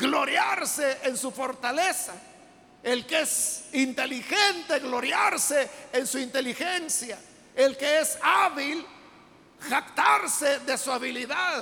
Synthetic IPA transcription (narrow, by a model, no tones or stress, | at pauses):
ɡloɾjaɾseensufo̞ɾt̪alesa | elkeesint̪e̞lixent̪eɣlo̞ɾjaɾseːnsuint̪e̞lixensja | elkeesaβil | xakt̪aɾseðe̞suaβiliðað